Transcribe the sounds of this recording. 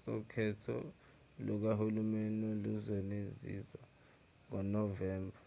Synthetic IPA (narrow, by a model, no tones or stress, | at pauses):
sɔkʰɛtʰɔ̰ | lɔk̬ahulumɛnɔluzɔnezḭzwa | ŋɔnɔvɛːmbʱa